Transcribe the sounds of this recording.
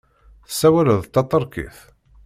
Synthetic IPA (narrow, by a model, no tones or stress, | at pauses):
θəsːæwæləðˤt̪ːɑt̪ˤːəɾˤkḭθ